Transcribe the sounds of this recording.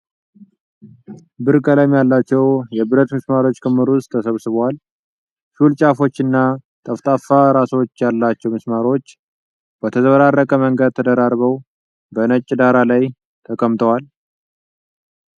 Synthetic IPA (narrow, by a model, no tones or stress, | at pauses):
bɨɾkʼəlajmjalːat͡ʃːɛwjɛbɨɾət̪mɨsmaɾo̞t͡ʃːkʰɨmːɨɾʊst̪ʰːəsəβsɨβwal | ʃult͡ʃʼafo̞t͡ʃːɨnːat̪ʼəft̪ʼafaɾaso̞t͡ʃːjalːat͡ʃːɛwmɨsmaɾo̞t͡ʃː | bət̪ʰəzəβəɾarːəkʼəməŋɡəd̪̚t̪ʰəd̪əɾaɾβəw | bənət͡ʃʼːd̪aɾalaj | t̪ʰəkʼəmt̪ʼəwal